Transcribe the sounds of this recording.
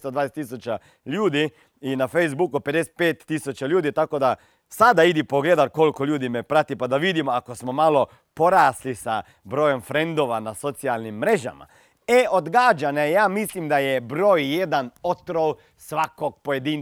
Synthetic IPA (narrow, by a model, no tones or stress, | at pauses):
st̪od̪ʋaːneset̪isut͡ʃa | ʎuːd̪i | inafejzbukuped̪ese̥t̪̚pet̪ːisut͡ʃaʎuːd̪it̪akod̪a | sad̪aid̪ipoɡled̪aɾko̞lkolʲʎuːd̪imɛpɾat̪ipad̪aʋid̪imoakosmomalo | poɾaːslisa | bɾojomfɾend̪oʋanasot̪sialnimːɾeʒa̰ma̰ | eod̪ɡaːd͡ʒanejaːmislimd̪ajɛbɾoːjjed̪anot̪ɾow | sʋakoɡ̚pojed̪in